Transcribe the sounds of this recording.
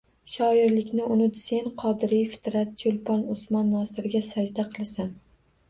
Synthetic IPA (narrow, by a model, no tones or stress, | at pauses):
ʃɒɪɾlɪkʲnɪʔʊnɪt̪se̞nqʰɒd̪ɪɾijfɪ̥t̪ɾat̪̚d͡ʒʊlˠpɒnʊsmɒnːɒsɪɾɪɡʲasad͡ʒd̪aqʰɨlˠasan